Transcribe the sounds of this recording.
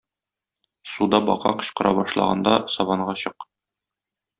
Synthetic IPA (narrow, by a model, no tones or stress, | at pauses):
sud̪ɑbɒ̰qɑ̰qɤ̆ɕqɤ̆ɾʔɑbɒʃlˠɑ̰ʁɑ̰nd̪ɑsɒβɑɴɢɑɕɤq